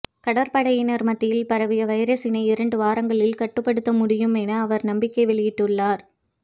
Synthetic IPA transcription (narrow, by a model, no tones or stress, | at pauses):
kɐɽɐɾpɐɽɐjɪnɐɾmɐt̪ːɪjɪlpɐɾɐʋɪjɐʋɐɪɾɐsɪnɐɪɪɾɐɳɖɯʋaːɾɐŋɡɐɭɪlkɐʈːɯpːɐɽɯt̪ːɐmʊɽɪjɯmenɐːʋɐɾnɐmbɪkːɐɪʋɛɭɪjɪʈːɯɭːaːɾ